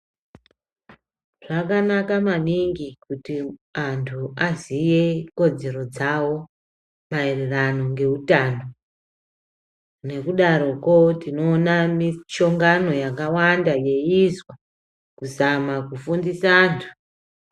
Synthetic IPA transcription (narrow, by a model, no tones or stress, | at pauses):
ʐ̥akanakamaniŋɡikutiantʰuʔazije̞ko̞d͡ze̞ɾo̞d͡zawo̞ | maererano̞ŋɡe̞utaːno | ne̞kuɗaɾo̞ko̞tino̞ːnamit͡ʃo̞ŋɡano̞jakawandaje̞izwa | kusamakufundisaːntʰu̥